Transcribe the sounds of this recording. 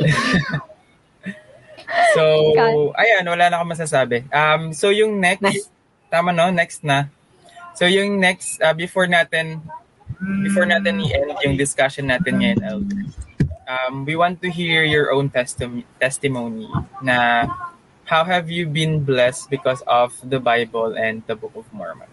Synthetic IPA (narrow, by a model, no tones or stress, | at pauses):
soʔɐjanwɐlaːnɐkomɐs̬as̬aːbɛʔɐmsowjʊŋnɛk | t̪aːmɐno̞nɛkst̪̚nɐ | sojʊŋnɛkst̪ʔɐbɪfoɹnaːt̪ɛn | bɪfɔɹnat̪ɛniʔɛnd̪jʊŋd̪ɪskaʃɔnːaːt̪ɪnŋɐɪnʔɛld̪ɛɹʔɐmwiwant̪ːʊɦiɹjɔɹʔõwnt̪ɛst̪mt̪ɛst̪ɪmownḭnɐ | hawɦɛvjubĩnblɛst̪̚bɪkɔsɔvd̪ɐbajbɔlʔɛ̃nd̪̚d̪ɐbʊk̚ɔvmɔ̰ɹmɐ̰̃n